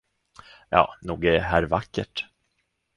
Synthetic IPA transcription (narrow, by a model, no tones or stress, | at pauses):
jɑ̰ːnuːɡɛɛɦæːɾvakːə̰ʈ